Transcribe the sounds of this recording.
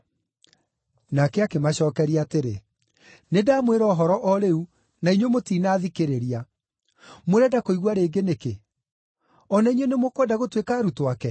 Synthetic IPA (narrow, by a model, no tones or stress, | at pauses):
nakɛakemaɕɔːkɛɾiateɾe | nedaːmweɾɔːɦɔɾɔʔɔɾeu | naiɲwemotiːnaːðikeɾeɾia | moɾɛdakoiɣwaɾeːɡeneke | ɔnaiɲwenemokwɛdaɣotwekaːɾutowakɛ